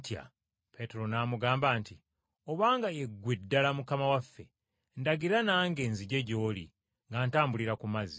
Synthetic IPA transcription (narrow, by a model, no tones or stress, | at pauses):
tja̰ | pe̞te̞ɾo̞namuɡaːmbaːnti | oβaːŋɡajeɡːwedːalamukamawafːe | ndaɡiɾanaːŋɡe̞ːnziɟe̞ɟo̞ːlḭ | ŋɡaːntaːmbuliɾakumazi